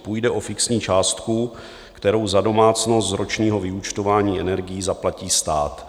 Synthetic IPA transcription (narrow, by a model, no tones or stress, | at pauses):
puːjdɛʔo̞fɪksɲiːt͡ʃaːst̪ku | kt̪ɛɾo̞wzado̞maːt͡sno̞st̪zɾʔo̞t͡ʃɲiːɦo̞vɪut͡ʃt̪o̞vaːɲiːʔɛnɛɾɡɪjizaplaciːst̪aːt̪